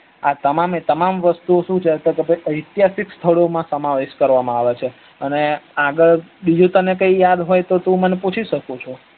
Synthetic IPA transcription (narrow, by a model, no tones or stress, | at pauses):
at̪əmamet̪əmamʋəst̪uoʃũt͡ʃʰet̪ekepəʔəjt̪jasikst̪ʰəɭomãsəmaʋeʃkəɾʋamãaʋet͡ʃʰe | əneaɡəɭbid͡ʒũt̪ənekəijad̪ɦojt̪ot̪ũməneput͡ʃʰiʃəkot͡ʃʰo